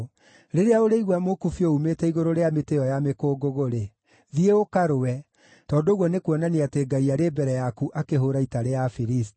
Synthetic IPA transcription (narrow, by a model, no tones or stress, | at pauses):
ɾeɾeaoɾeiɣwamokufjoumetɛiɣoɾoɾeameteɔjamekoːɡoɣoɾe | ðieokaɾowɛ | tɔːndoːɣwɔnekwɔnaneateɡaiaɾeːbɛɾɛjakuʔakeɦoɾaitaɾeafiɾist